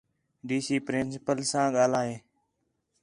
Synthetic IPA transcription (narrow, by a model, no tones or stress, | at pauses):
ɖiːsiːpɾɪnsɪpəlsãːɠaːlaːɦeː